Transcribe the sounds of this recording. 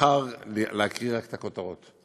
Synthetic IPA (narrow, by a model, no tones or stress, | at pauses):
aʁleakʁiʁakt̪akot̪aʁot̪